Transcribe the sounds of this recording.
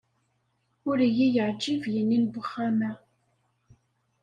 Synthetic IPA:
ʊɾijijəʕd͡ʒːivjənːinbəχːamæ

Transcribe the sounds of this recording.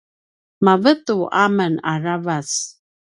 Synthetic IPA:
mavət̪uʔaməna̰ravas

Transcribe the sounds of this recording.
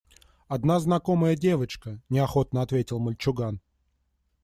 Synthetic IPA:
ɐd̪naznɐko̞məjədʲe̞vət͡ɕkənʲɪɐxo̞t̪nəɐt̪vʲetʲɪlˠməlʲt͡ɕʊɡan

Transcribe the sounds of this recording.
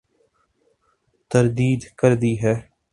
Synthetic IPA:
t̪əɾd̪iːd̪kəɾd̪iːɦɛː

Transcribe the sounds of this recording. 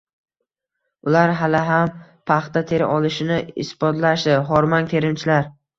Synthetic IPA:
ʊlaɾɦalɪɦampʰaχt̪at̪ʰe̞ɾɪ̰ʔɒlˠɪʃɪnɪɪ̰sbɒt̪laʃd̪ɪɦɒɾmɒnt̪ʰe̞ɾɪmt͡ʃʰɪlaɾ

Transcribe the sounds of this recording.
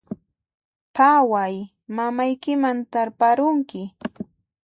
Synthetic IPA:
pawaj | mamajkɪmant̪aɾpaɾʊŋkɪ

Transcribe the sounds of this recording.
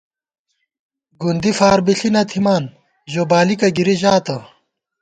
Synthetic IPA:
ɡund̪ifaːɾbiɬinɐt̪ʰimaːn | ʑoːbaːlikɐɡiɾiʑaːt̪ɐ

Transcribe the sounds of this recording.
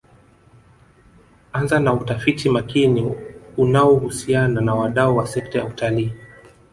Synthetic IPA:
anzanautafitimakiniunaɔhusiananawaɗauwasɛk̚taja̰utaliː

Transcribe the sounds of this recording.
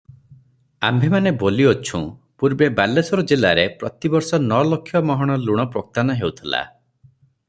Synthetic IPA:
ambʱemaneboliot͡ʃʰṵ̃ | puɾbebalːesɔɾɔd͡ʒelaɾepɾɔt̪ibɔɾsɔnɔlokʰːjɔmɔɦɔɽ̃ɔluɽ̃ɔpɾok̚t̪anɔɦeut̪ʰila̰

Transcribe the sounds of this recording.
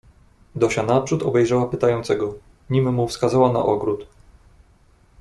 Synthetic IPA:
d̪ɔɕanapʂut̪ɔbɛjʐawapɘt̪ajɔnt̪sɛɡɔ | ɲimɘmufskazawana̰ʔɔɡɾut̪

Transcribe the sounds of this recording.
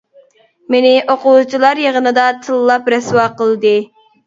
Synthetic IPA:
menɪʔoqʊwut͡ʃʰilˠɑɾjəʁənɨd̪ɑt̪ʰɨlˠːɑpɾɛswɑːqʰəlˠd̪ɨ

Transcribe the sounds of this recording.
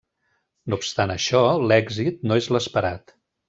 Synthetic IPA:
noːpst̪anəʃɔlɛɡzit̪̚noezləspəɾat̪

